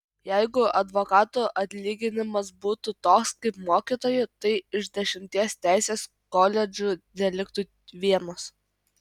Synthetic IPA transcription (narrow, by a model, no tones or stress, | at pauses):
jɛɪɡʊɐd̪ʋoːkɑːt̪uʔɐt̪ʲlʲiːɡʲɪnʲɪmɐs̬buːt̪ut̪oːkskɐɪpmoːkʲiːt̪oːjʊt̪ɐɪɪʒd̪ʲɛʃʲɪmʲt̪ʲiɛst̪ʲæˑɪsʲeːs | koːlʲɛd͡ʒʲʊd̪ʲɛlʲɪk̚t̪u | ʋʲiɛnos